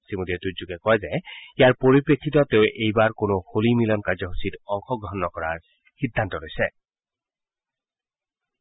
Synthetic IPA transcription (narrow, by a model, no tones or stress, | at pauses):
simodiɛtuzuɡɛkɔjɛzɛijaɹpoɹipɹekʰːitɔteʊʔejbaɹkonoxolimilɔnkaɹzɔɦusitɔŋxɔɡɹɔɦɔnːɔkɔɹaɹ | xidʱːantɔlojsɛ